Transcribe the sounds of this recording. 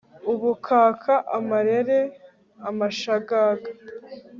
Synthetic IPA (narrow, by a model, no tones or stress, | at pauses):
uβukʰaːkʰaʔamaɾeɾe | amaʃaɡaːɡa